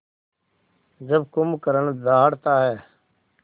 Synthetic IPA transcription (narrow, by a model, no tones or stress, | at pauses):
d͡ʒəb̚kʊmkəɾəɳd̪aːɽt̪aːɦɛː